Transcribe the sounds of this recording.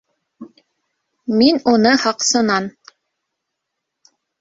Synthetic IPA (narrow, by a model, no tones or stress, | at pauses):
minunɤhɑqsɤ̆nɑn